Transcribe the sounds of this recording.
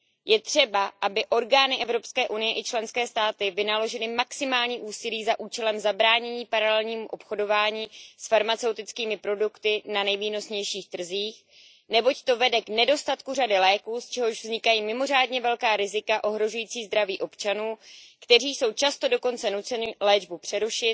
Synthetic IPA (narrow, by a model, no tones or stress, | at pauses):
jɛt̪r̝̥ɛbaʔabɪʔo̞ɾɡaːnɪʔɛvɾo̞pskɛːʔunɪjɛʔɪt͡ʃlɛnskɛːst̪aːt̪ɪvɪnalo̞ʒɪlɪmaksɪmaːlɲiːʔuːsɪliːzaʔuːt͡ʃɛlɛmzabɾaːɲɛɲiːpaɾalɛlɲiːmuʔo̞pxo̞do̞vaːɲiːsfaɾmat͡sɛwt̪ɪt͡skiːmɪpɾo̞dukt̪ɪnanɛjviːno̞sɲɛjʃiːxt̪r̩ziːx | nɛbo̞ct̪o̞vɛdɛɡnɛdo̞st̪at̪kur̝adɪlɛːkuːst͡ʃɛɦo̞ʒvzɲɪkajiːmɪmor̝aːdɲɛvɛlkaːɾɪzɪkaʔo̞ɦɾo̞ʒujiːt͡siːzd̪ɾaviːʔo̞pt͡ʃanuːkt̪ɛriːjso̞wt͡ʃast̪o̞do̞ko̞nt͡sɛnut͡sɛɲɪlɛːd͡ʒbupr̝̥ɛɾuʃɪt̪̚